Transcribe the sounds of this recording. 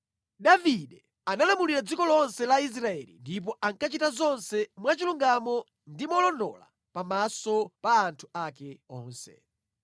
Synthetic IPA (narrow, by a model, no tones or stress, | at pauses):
ɗaviɗɛ | analamuliɾad͡zikɔlɔnsɛlais̬ɾaɛ̰lḭndip̬ɔʔaŋkat͡ʃitazɔnsɛmwat͡ʃiluŋɡamɔ | ndimɔlɔndɔ̰la̰ | pamasɔpaːntʰu̥akɛɔːnsɛ̰